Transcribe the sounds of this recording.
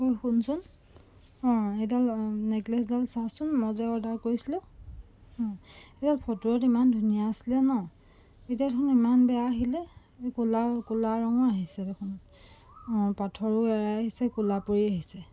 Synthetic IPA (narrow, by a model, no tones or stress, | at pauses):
kojxunsʊn | ɔ̃edalneɡlɛs̬dalsasʊnmɔzɛɔdaɹkojsilʊ̃ | ɔ̃edalpʰɔtuɹɔtimandʱunijaːsilɛnɔ | etiaɛkʰʊnimanbɛjaɦilɛ | kulakulaɹɔŋɔaɦisɛdɛkʰʊn | ɔ̃patʰɔɹʊɛɹaaɦisɛkulapoɹiaɦisɛ